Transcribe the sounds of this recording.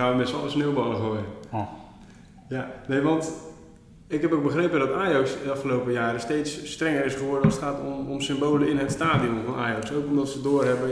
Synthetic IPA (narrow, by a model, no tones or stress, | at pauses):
aəmɛtsɔ̰ləsneːwbɔlˠəxoə | janejʋɑnt | ɪkɦɛpok̚bəxrepədɔtaːjɑksəɑfχəlowpəjaːɾəsteːtsːtrɛŋərɪsχəʋʊrdənɔsətχaːtomɔmsɪmboːləɪnɦətstaːdiomvɔnʔajɑksowkɔmdɔtsədoːrɦɛbə